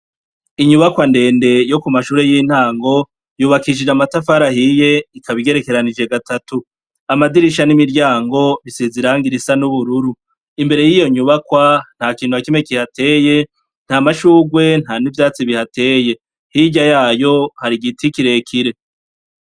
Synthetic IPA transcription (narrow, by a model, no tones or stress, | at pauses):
iɲuβakwande̞ːnde̞jo̞kumaʃuːɾe̞jin̥haːŋɡo̞ | juːβakiʃid͡ʒamatafaɾahije̞ikʰaβiɡe̞ɾeke̞ɾanid͡ʒeɡatatu | amadiɾiʃanimiɾɟaːŋɡo̞βisiziɾaːŋɡiɾisanuβuɾuɾu | imbe̞ɾe̞jijo̞ɲuβakwan̥haːkiːnhuakimekihate̞ːje̞ | n̥hamaʃuːɡwe̞n̥haːnivjaːt͡siβihatʰe̞ːje̞ | hiɟajaːjo̞haɾiɡitikiɾe̞kʰiɾe̞